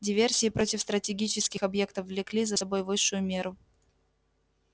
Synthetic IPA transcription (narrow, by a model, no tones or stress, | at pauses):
dʲɪvʲe̞rsʲɪːpɾo̞tʲɪfst̪ɾətʲɪɡʲit͡ɕɪskʲɪxɐbje̞kt̪əfvlʲɪklʲizəsɐbo̞jvɨʂːʊjʊmʲe̞ɾʊ